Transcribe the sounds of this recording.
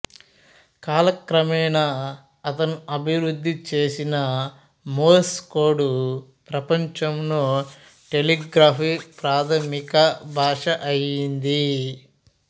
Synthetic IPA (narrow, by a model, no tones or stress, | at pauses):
kaːlɐkɾɐmɛːnɐ | ɐt̪ɐnuɐbʱiwɾud̪ʱːit͡ʃeːsinɐ | moːskoːɖupɾɐpɐɲt͡ʃɐmloː | ʈeliɡɾaːpʰipɾaːt̪ʰɐmikɐbʱaːʂɐʔɐjind̪i